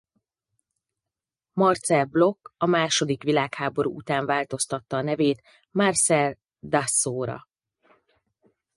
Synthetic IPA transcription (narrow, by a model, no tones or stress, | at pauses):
mɒrt̪sɛlblo̞kːɒmaːʃo̞d̪ikʋilaːkhaːbo̞ɾṵːʔut̪aːɱvaːlt̪o̞st̪ɒt̪ːɒːnɛveːt̪ | marsɛl | d̪asːoːɾɒ̰